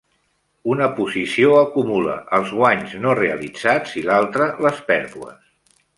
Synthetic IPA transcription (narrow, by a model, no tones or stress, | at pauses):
unəpuzisioəkumulə̰ʔəlˠzɣwaɲznoreəlid͡z̥ad͡zilalˠt̪ɾələspɛɾðuə̰s